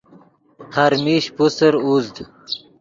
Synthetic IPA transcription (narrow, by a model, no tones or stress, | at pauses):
haɾmiɕpusəɾuzd̪